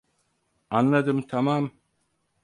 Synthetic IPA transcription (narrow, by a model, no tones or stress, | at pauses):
anlˠad̪ɯmt̪ʰamam